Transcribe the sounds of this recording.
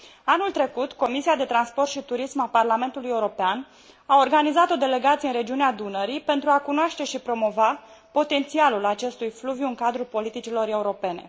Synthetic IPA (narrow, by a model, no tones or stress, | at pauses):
anult̪ɾe̞kut̪ko̞misiad̪e̞t̪ɾanspo̞rt̪ʃit̪uɾismaparlame̞nt̪uluje̞uɾo̞pean | ao̞rɡanizat̪o̞d̪e̞le̞ɡat̪sieɨnɾe̞d͡ʒiunead̪unəɾipe̞nt̪ɾuakunoaʃt̪e̞ʃipɾo̞mo̞va | po̞t̪e̞nt̪sialulat͡ʃe̞st̪ujfluvjuɨŋkad̪ɾupo̞lit̪it͡ʃilo̞ɾe̞uɾo̞pe̞ne̞̰